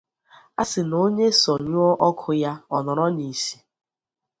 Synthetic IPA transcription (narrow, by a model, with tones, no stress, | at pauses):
a̰˦sɪ˨no˦ɲe˦sɔ˨ɲu˦ɔ˦ʔɔ˦kʰʊ˦ja˦ɔ˨nɔ˨ɾɔ˦ɲi˨si̥˦